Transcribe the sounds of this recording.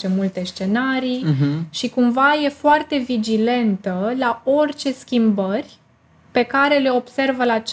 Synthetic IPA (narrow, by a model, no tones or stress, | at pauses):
t͡ʃe̞mult̪e̞st͡ʃe̞naɾijʃikumvaje̞foart̪e̞vid͡ʒile̞nt̪əlao̞rt͡ʃe̞skʲimbərʲ | pe̞kaɾe̞le̞o̞b̥se̞rvəlat͡ʃ